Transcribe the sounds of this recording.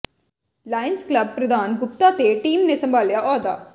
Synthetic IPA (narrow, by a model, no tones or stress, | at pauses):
laːjɪnsklɐb̚pɾɐd̪ʱaːnɡʊp̚t̪at̪eʈiːmnesɐ̃mbʱaːljaʔɔːd̪a̰ː